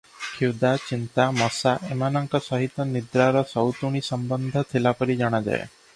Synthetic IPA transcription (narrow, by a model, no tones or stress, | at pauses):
kʰud̪at͡ʃint̪amɔsaʔemanɔŋkɔsɔɦit̪ɔnid̪ɾaɾɔsɔwt̪uɽ̃isɔmbɔnd̪ʱɔt̪ʰilapɔɾid͡ʒɔɽ̃ad͡ʒa̰ḛ